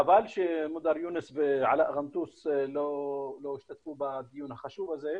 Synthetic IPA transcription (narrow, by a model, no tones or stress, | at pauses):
ʔabaːlʃemʊd̪ɑɾjuːnɪsbɪʕalaʔɣamt̪uːsloloːɪʃt̪at̪fuːbad̪ɪjuːnhaxaʃuːvazeː